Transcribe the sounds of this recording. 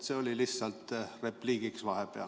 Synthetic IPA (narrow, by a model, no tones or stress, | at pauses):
seːolilisːɑlt̪repliːɡiksʋɑhepeɑ̰